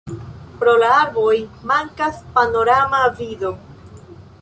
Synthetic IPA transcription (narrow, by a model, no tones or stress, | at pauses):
pɾo̞laaɾbo̞jmaŋkaspano̞ɾamavido̞